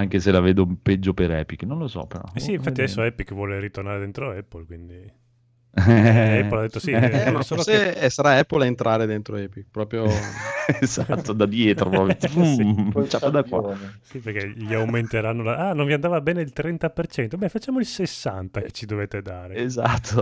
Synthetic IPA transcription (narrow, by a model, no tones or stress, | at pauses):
aŋkeselaveːd̪oimped͡ʒːopeɾɛ̰ːpikːnõnlosɔ̰peɾɔ̰ɛssiːɱfatt̪ːiadɛsːoɛpikːvwɔːleɾit̪ornaːɾed̪ent̪ɾoɛpːolkwind̪i | ɛːolad̪et̪ːosinasolossaɾaɛpːolaent̪ɾaːɾed̪ent̪ɾoɛpikpɾɔːpɾjoezat̪ːod̪ad̪jɛːt̪ɾopɾɔpɾo | t͡ʃapːad̪akːwa̰siperk̟eʎiawment̪eɾanːolaʔanõɱviand̪avabɛːneilt̪ɾɛnt̪apert͡ʃɛnt̪obɛfat͡ʃːaːmoilsesːant̪ake̥t͡ʃːid̪oveːt̪ed̪aːɾeezat̪ʰːo